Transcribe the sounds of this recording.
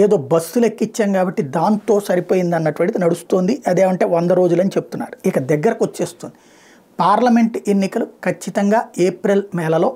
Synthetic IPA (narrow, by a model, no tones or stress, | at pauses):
eːd̪o̞ːbɐsulekːit͡ʃːɐŋɡaːbɐʈːid̪aːnt̪o̞ːsɐɾipoːjind̪ɐnːɐʈuʋɐɳʈid̪inɐɽust̪oːnd̪iʔɐd̪e̞ːmɐɳʈe̞ːʋond̪ɐɾo̞ːd͡ʒulɐnit͡ʃebut̪unːa̰ːɾuikɐd̪ɛɡːɐɾɐkʋot͡ʃːe̞ːst̪ond̪i | paːɾlɐme̞ɳʈe̞nːikɐlukʰɐt͡ʃːit̪ɐŋɡaːeːpɾelmɛːlɐlo̞ː